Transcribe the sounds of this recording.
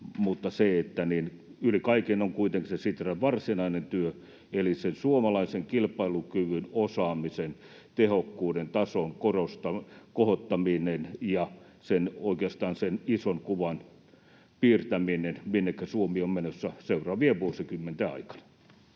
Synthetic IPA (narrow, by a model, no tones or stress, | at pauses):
mut̪ːɑseet̪ːæninylikɑikinoŋkuit̪eŋksesit̪ræʋʋɑrsinɑinent̪yø | elisensuomɑlɑiseŋkilpɑilukyʋynosɑːmisen | t̪ehokːuːdent̪ɑsoŋkorost̪ɑkohot̪ːɑminenjɑ | senoikeɑst̪ɑːnsenisonkuʋɑn | piːrt̪æminenminːekːæsuomiommenøsːæseurɑːʋieʋuosikymːent̪eɑ̰ikɑ̥nɑ̥